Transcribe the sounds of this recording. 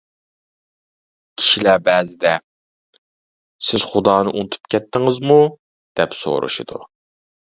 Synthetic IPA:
kʲʰi̥ʃilæbɛːzɪd̪ɛ | sɪz̥χʊd̪ɑːnɨʔunt̪ʰu̥pkʲʰɛt̪ʰːɪŋɪzmu | d̪̥ɛpso̰ɾʔṵʃid̪ṵ

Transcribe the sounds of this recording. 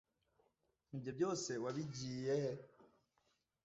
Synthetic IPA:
ibjo̞bjo̞ːse̞waβiɟiːje

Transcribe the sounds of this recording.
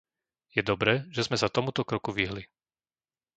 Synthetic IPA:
jɛd̪ɔbɾɛːʒɛzmɛsat̪ɔmut̪ɔkɾɔkuʋiɦli

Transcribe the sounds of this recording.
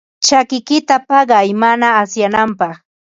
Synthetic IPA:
t͡ʃakɪkɪt̪apɑɢɑjmanaːsjanampɑχ

